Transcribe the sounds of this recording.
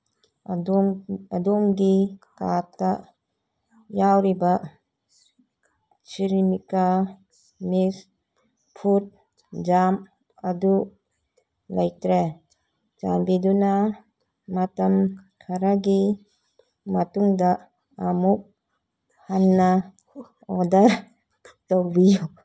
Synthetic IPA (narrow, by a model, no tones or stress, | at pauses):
ɐdumɡikata | jawɾiba | siɾimika | mis | pʰut̚ | d͡ʒam | ɐdu | lajtɾe | d͡ʒambiduna | matamkʰaɾaɡi | matuŋda | amuk̚ | hanːa | ɔdɐɾ | towbijuk